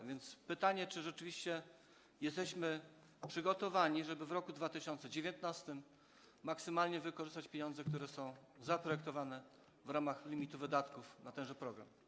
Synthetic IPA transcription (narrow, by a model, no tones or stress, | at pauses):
vʲjɛnt̪spɘt̪aɲɛt͡ʂɘʐɛt͡ʂɘvʲiɕt͡ɕɛ | jɛst̪ɛɕmɘ | pʂɘɡɔt̪ɔvaɲiʐɛbɘvɾɔkud̪vat̪ɘɕɔnt̪sɛd͡ʑevʲjɔnt̪nast̪ɘmː | aksɘmalɲɛvɘkɔʐɘst̪at͡ɕpʲjeɲɔ̃nd̪zɛk̚t̪uɾɛsɔ̃w̃zapɾɔjɛk̚t̪ɔvanɛ | vɾamaxlʲimʲit̪uvɘd̪at̪kufnat̪ɛw̃ʐɛpɾɔɡɾa̰m